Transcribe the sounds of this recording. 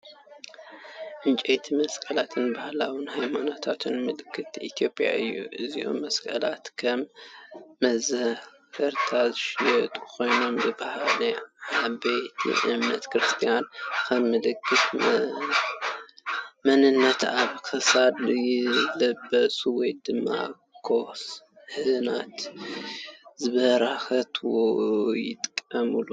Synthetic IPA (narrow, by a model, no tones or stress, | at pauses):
ʔɨnt͡ʃʼet̪ʰimɐskʼɐlat̪ʰɨnbahlawɨnhajmanot̪ʰat̪ʰɨnmɨlɨkʰːɨt̪ʔit̪ʰjo̞pʼja̰ʔɨjːṵʔɨzio̰mːɐskʼɐlat̪kʰɐmː | ɐzɐh | hɐɾt̪ʰazɨʃjɛt̪ʼukʰo̞jno̞mbɨbahalɐabejt̪ʰḭʔɨ̰mnɐt̪kʰɾɨst̪ʰijankʰɐmːɨlɨkʰːɨf | mɐnɨnːɐt̪aβkʰɨsad̪jɪlɐbːɐsʼuwɔjd̪ɨmːa̰ | kʰos | hɨnat̪ | zɨβɐɾaxɐt̪ʰwojɪt̪ʼkʼːɐmɨlu